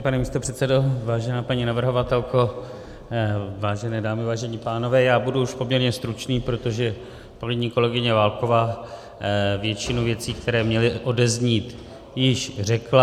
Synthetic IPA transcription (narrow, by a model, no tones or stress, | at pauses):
panɛmiːst̪o̞pr̥ɛt̪sɛdo̞vaːʒɛnaːpaɲinavr̩ɦo̞vat̪ɛlko̞ | vaːʒɛnɛːdaːmɪvaːʒɛɲiːpaːno̞vɛːjaːbuduuʃpo̞mɲɛɾɲɛst̪ɾut͡ʃniːpɾo̞t̪o̞ʒɛ | paliɲiːko̞lɛɡɪɲɛvaːlko̞vaː | vjɛt͡ʃɪnuvjɛt͡siːkt̪ʰɛɾɛːmɲɛlɪʔo̞dɛzɲiːt̪ | jɪʃrɛkla